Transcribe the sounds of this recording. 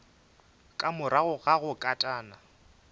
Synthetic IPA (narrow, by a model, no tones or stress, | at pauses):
kʼamʊɾaɣʊɣaɣʊkʼatʼaːna